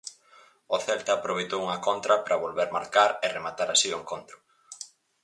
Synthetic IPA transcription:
oθɛlt̪ɐːpɾoβejt̪owuŋɐkont̪ɾɐpɾɐβolβeɾmaɾkaɾeremat̪aɾasiʊeŋkont̪ɾʊ

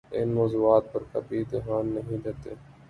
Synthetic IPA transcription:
ɪnmoːzuːaːt̪̚pəɾkɐ̰bʱid̪ɪɦaːnːɐɦĩd̪eːt̪ḛː

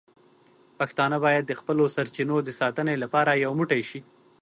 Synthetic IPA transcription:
paxt̪ɑnəbɑjad̪ːəxpəlosaɾt͡ʃinod̪əsɑt̪ənelapɑɾajawmuʈajʃi

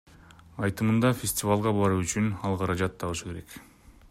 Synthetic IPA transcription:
ɑjt̪ɯmɯnd̪ɑfʲesʲtʲɪvalˠʁɑbɑɾuyt͡ʃynɑlˠqʰɑɾɑd͡ʒɑt̪ʰːɑβɯʃɯke̞ɾe̞k

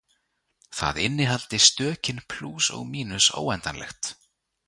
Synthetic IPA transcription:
θa̰ðɪnːɪɦalt̪ɪst̪œːcɪnpʰl̥uːsɔ̰ɣmiːnʏso̰ːwɛnt̪anlɛ̰xt̪

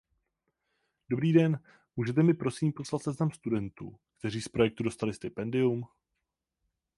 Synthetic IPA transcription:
d̥o̞bɾiːdɛn | muːʒɛt̪ɛmɪpɾo̞siːmpo̞slat̪sɛznamst̪udɛnt̪ṵːkt̪ɛr̝iːspɾo̞jɛk̚t̪udo̞st̪alɪst̪ɪpɛndɪum

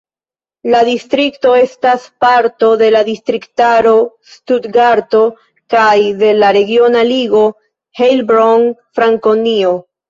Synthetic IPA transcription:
ladistɾikto̞e̞staspaɾto̞de̞ladistɾiktaɾo̞ | studɡaɾto̞ | kajde̞laɾe̞ɡio̞naliɡo̞ | helbɾoŋfɾaŋko̞nio̞

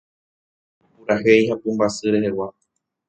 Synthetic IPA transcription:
uɾaɦejɦapɨmbasɨɾe̞ɦe̞wa

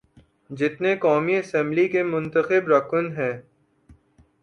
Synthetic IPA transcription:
d͡ʒɪt̪nekɔːmiɐsɛ̃mblikemʊ̃nt̪əxɪbɾɐkʰənɦɛ̃ː

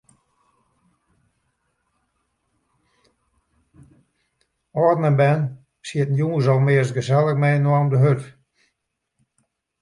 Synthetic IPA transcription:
ɔːrnənbɛn | siətn̩juŋəsɔlˠmɪəsɡəzɛlˠəxmɛjnwɔɔmdəɦøt

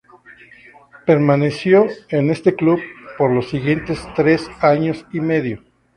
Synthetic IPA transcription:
pe̞ɾmane̞sjo̞ene̞st̪e̞kluβpo̞ɾlo̞siɣje̞nt̪e̞st̪ɾe̞saɲosime̞ðjo̞

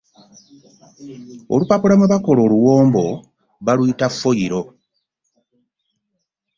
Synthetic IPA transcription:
o̰lupapuɾamuβako̞lo̞ːluwoːmbo̞ | βalwitafːo̞jiɾo̞

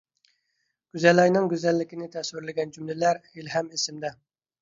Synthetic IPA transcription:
ɡ̥ʲyzɛlɑjnɪŋɡʲyzɛlːɪkʲinɪt̪ʰɛswɪɾlɪɡʲɛnd͡ʒymlɪlæɾilɦɛmɪsɪmd̪ɛ

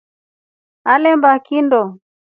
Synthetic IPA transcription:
alɛmbakindɔ

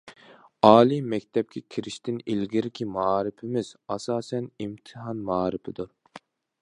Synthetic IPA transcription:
ɑːlˠimɛkʲt̪ʰɛp̚kʲʰɛkʲʰiɾɪʃt̪ʰɪnilɡʲiɾɪkʲʰimɑːɾɪpʰɪmɪz̥ɑsɑːsɛnimt̪ʰɨhɑnmɑːɾɨpʰɪd̪uɾ

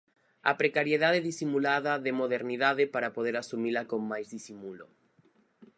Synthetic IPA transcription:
a̰pɾekaɾjeðaðeðisimulaðaðemoðeɾniðaðepaɾapoð̞eɾasumilakoŋmajzðisimulo

